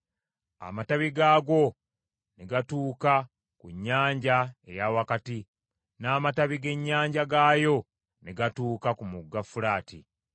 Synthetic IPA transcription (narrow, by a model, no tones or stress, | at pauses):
a̰mataβiɡaːɡo̞ | neɡatuːka | kuɲːaːɲɟae̞̰jawakati | naːmataβiɡe̞ɲːaːɲɟaɡaːjo̞ | neɡatuːkakumuɡːafuɾaːtḭ